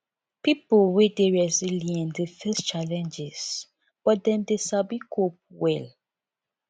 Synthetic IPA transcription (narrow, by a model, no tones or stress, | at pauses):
pipolwedeɹɛziliɛ̃ndefɛst͡ʃalɛ̃nd͡ʒɛs | b̥ɔt̚dɛ̃mdeʃabikʰop̚wɛl